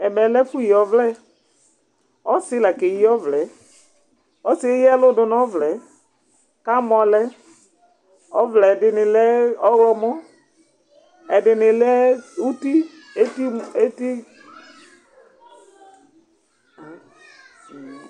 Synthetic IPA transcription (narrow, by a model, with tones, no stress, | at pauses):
ɛ˨mɛ˨lɛ˦fu˦ji˨ɔ˨vlɛ˦ | ɔ˦sɪ˦la˨ke˨i˦ɔ˦vlɛ˨˦ | ɔ˦sɪ˦e˦jɛ˦lʊ˦dʊ˨n˦ɔ˦vlɛ˨˦ | ka˦mɔ˨lɛ˦ | ɔ˦vlɛ˨dɪ˨nɪ˨lɛ˦ɔ˦wlɔ˦mɔ˦ | ɛ˨dɪ˨nɪ˨lɛ˦u˦ti˦ | e˦ti˦e˦ti˦˨